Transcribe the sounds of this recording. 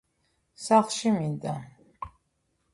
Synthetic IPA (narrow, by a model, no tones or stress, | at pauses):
saχʃimind̪ʼa